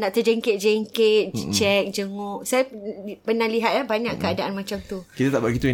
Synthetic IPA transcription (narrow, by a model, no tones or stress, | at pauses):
naʔt̪əd͡ʒɛŋkɪt̪̚d͡ʒɛŋket̪̚t͡ʃɛk̚d͡ʒəŋoʔsajappənahliɦat̪̚labaɲaʔkəadaʔanmãt͡ʃamt̪ukit̪at̪aʔbaɡit̪ũ